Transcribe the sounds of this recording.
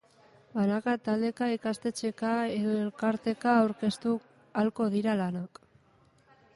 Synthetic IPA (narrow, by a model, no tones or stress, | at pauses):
banakat̪ald̪e̞kaikast̪e̞t͡ʃe̞kae̞ðoe̞lkaɾt̪e̞kaːwɾke̞st̪u | alko̞ðiɾalanak